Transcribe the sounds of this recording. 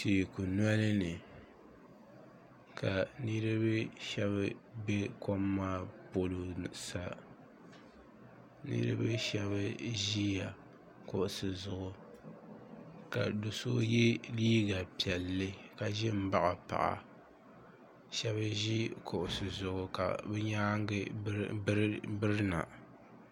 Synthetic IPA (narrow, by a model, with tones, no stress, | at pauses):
tiː˨ku˨nwa˦lɨ˦nɨ˨ | kʰa˨nɨ˦ɾɨ˦bɨ˦ʃɛ˦βɨ˦be˦ko˦mːaː˦po˨lo˨sa˨ | nɨ̰˦ɾɨ̰˦bɨ˦ʃɛ˦βɨ˦ʒi˦ja˨ | kʊ˨ʔʊ˨sɨ˨zʊ˨ʔʊ˨ | ka˨do˨so̰˦jɛ˦liː˦ɡa˨pi˨ɛ˨lːɨ˦ka˨ʒɪ˦m̩˦ba˦ʔa˨pa̰˨ʔa̰˨ | ʃɛ˦βɨ˦ʒi˦kʰʊ˨ʔʊ˨sɨ˨zʊ˨ʔʊ˨ka̰˨bɛ˦ɲaː˦ŋ˦ɡɨ˦ | bɨ˦ɾɨ˦na̰˨